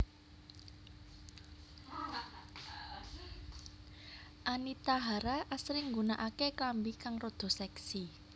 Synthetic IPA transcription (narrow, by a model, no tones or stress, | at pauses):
ʔanit̪aɦaɾaʔasɾɪŋɡunaʔakeklambikaŋrod̪̥ɔ̤sɛksi